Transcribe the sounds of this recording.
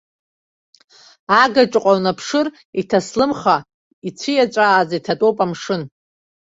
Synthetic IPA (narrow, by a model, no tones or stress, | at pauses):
aɡaʈ͡ʂʼqʷʼawnapʰʂɨr | itʰaslɨmχa | it͡sʷʰijat͡ʃʷʼaːzitʰatʼowpʼamʂɨn